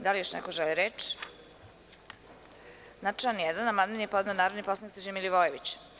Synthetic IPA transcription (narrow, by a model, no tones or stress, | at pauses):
d̪alijoʃnɛkoʒɛliɾet͡ʃ | nat͡ʃjanjɛd̪anamaninjepod̪neonaːɾod̪niposˠaniktsed͡ʑemiliʋojeʋit͡ɕ